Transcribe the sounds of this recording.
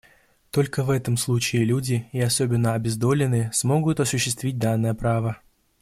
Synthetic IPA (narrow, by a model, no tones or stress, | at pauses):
t̪o̞lʲkəvɛt̪əmslˠut͡ɕɪːlʲudʲɪɪɐso̞bʲɪnːəɐbʲɪzd̪o̞lʲɪnɨsmo̞ɡʊt̪ɐsʊɕːɪst̪vʲit̚ʲd̪anːəjəpɾavə